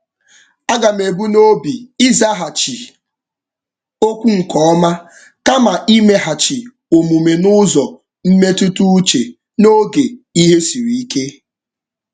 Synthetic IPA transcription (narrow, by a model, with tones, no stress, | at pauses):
a˦ɡa˨me˨bu˦no˦bi˨i˦za˦ɦa˨t͡ʃi˨ | o˦kʷu˦ŋ̩˨kɔ˦ɔ˦ma˦ | ka˦ma˨ʔi˦me˦ɦa˨t͡ʃi˨ | o˨mu˨me˨nʊ˦zɔ˨ | m̩˦me˦tu˦tu˦t͡ʃe˨ | no˦ɡe˨i˦ɦe˦si˨ɾi˨i˦ke˦